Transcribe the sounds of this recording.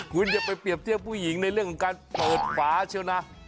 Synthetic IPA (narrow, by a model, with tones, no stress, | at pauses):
kʰu˧nt͡ɕa˨˩pa˧jpi˨˩əp̚t̪ʰi˥˩əmpʰuː˥˩ji˩˦ŋna˧jɾɯ˥˩əŋkʰɔ˨˦ŋkaː˧npɤː˨˩t̪̚fʰaː˩˦t͡ɕʰi˥˩wna˦˥